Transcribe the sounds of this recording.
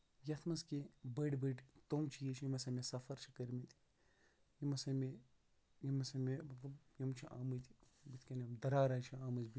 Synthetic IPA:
jɐt̪ʰmɐskebəɖbəɖt̪omt͡ʃʰijet͡ʃʰjimɐsɐmesɐfɐɾt͡ʃʰikɐɾmit̪i̥ | jimɐsɐme | jimɐsɐmemɐtlɐbjimt͡ʃʰiʔa̰ːmɨt̪ʰi | bit̪ʰʲkɐnɐmd̪ɐɾaːɾaːt͡ʃʰiaːmɨzbi

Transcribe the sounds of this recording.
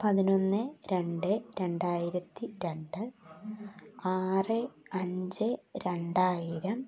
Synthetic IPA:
pɐðino̞nːɨɾe̞ɳɖɨɾe̞ɳɖaːjiɾɐt̪ːiɾe̞ɳɖɨ | aːrɨɐɲd͡ʑɨɾe̞ɳɖaːjiɾɐm

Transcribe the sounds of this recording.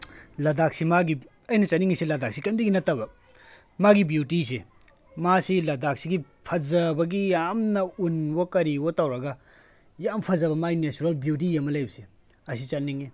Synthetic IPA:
lɐdak̚simaɡi | ɐjnɐt͡ʃaniŋisilɐdak̚sikɐndiɡinɐtːɐbɐ | maɡibjutise | masilɐdak̚siɡi | pʰɐzɐbɐɡijamnɐunbokɐɾiwotawɾɐɡɐ | jampʰɐzɐbɐmainet͡ʃuɾelbjut̬ijemːɐlɐjbɐse | ɐs̬it͡ʃaniŋe

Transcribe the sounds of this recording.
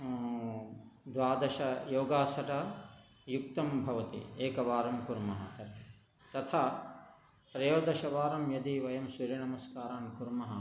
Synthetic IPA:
d̪ʋaːd̪ɐʃɐjoːɡaːsɐʈɐ | jukt̪ɐmbʱɐʋɐt̪ḭeːkɐʋaːɾɐmkuɾmɐɦɐ̰ | t̪ɐt̪ʰaː | t̪ɾɐjoːd̪ɐʃɐʋaːɾɐmjɐd̪iʋɐjɐmsɐɾɐɳɐmɐskaːɾaːnkuɾmɐɦɐ

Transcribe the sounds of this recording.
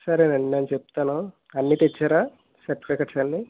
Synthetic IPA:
sɐɾenenːenut͡ʃep̚t̪aːnu | ɐnːit̪et͡ʃːaːɾa | sɐɾʈifikɐʈsɐnːi

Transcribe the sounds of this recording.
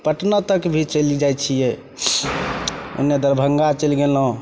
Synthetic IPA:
pəʈnət̪əkbʱit͡ʃəlid͡ʒajt͡ʃʰijɛ | ṵnːed̪əɾbʱəŋɡat͡ʃəlɡelɦõ

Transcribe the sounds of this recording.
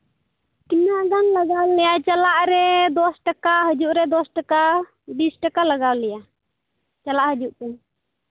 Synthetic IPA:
kinaʔɡanlaɡawlɛjat͡ʃalaʔɾɛd̪ɔsʈakaɦəd͡ʒuʔɾɛd̪ɔsʈaka | bisʈakalaɡawlɛja | t͡ʃalaʔhəd͡ʒuʔkɛn

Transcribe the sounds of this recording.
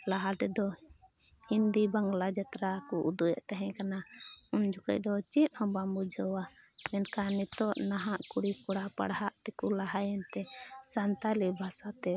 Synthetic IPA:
laɦat̪ɛd̪ɔ | hind̪ibaŋɡlad͡ʒat̪ɾakuʔud̪ujɛʔt̪aɦɛ̃kanaund͡ʒuka̰c̚d̪ɔt͡ʃit̪̚hɔ̃bambud͡ʒʱəwa | mɛnkanɛt̪ɔʔnaɦaʔkuɽikuɽapa̰ɽɦaʔt̪ɛkulaɦajɛnt̪ɛsant̪alibʱasat̪ɛ

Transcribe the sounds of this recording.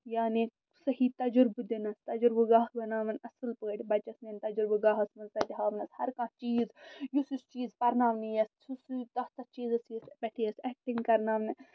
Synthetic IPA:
jaːni | sɐɦiːt̪ɐd͡ʒɾbɨd̪inɐst̪ɐd͡ʒɾbɨɡaːhbɐnaːʋɐnʲɐsɨlpəːʈʲbɐt͡ʃɐsnenʲt̪ɐd͡ʒɾbɨɡaːɦɐsmɐzd̪ɐt̪iɦaːʋnɐshɐɾkãːt͡ʃiːzjusist͡ʃiːzpɐɾnaːʋnijɐssust̪ɐst̪ɐt͡ʃiːzɐsiɐsbʲɛʈʰeɐsɛk̚ʈiŋɡkɐɾnaːʋnɨ

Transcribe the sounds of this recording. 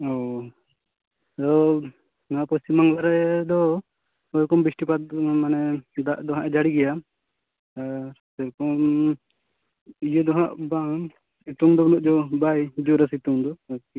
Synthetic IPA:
ɔ | d̪ɔ | napɔstimaŋlaɾɛd̪ɔ | ɔjkɔmbisʈipat̪̚manɛd̪aʔd̪ɔɦãʔɛd͡ʒaɽiɡɛja | t̪aɾsɛɾkɔm | ijəd̪ɔɦaʔba | it̪uŋd̪ɔbɔnɔʔ̚d͡ʒɔbajd͡ʒuɾasit̪uŋd̪ɔ

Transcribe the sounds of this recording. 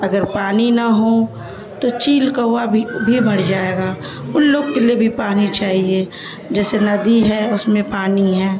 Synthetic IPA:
ɐɡəɾpaːninaɦo | t̪ot͡ʃiːlkaɦʊabbʱibɐɽd͡ʒaːeːɡaː | ʊnloːɡkeliebʱipaːnit͡ʃaːɦie | d͡ʒɛːsenɐd̪iɦɛʊsmẽpaːniɦɛ̃ː

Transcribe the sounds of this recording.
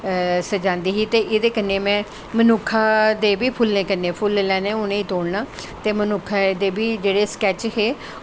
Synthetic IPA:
səd͡ʒãːnd̪iːɦiːt̪eːʔɪd̪eːkənːeːmɛ̃ː | mənʊkʰːaːd̪eːbiːpʰʊlnẽːkənːẽːpʰʊllɛ̃ːnẽːʊnẽːiːt̪oːɽnaːt̪eːmənʊkʰːad̪eːbiːd͡ʒeːɽeːskɛːt͡ʃɦeː

